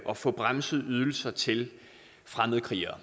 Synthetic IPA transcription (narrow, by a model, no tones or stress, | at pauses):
ʔɒ̽fɔ̽b̥ʁamsəð̞̩ˠyð̞ˠl̩sɐt͡sʰe̝l | fʁaməð̩ˠkʰʁiɐ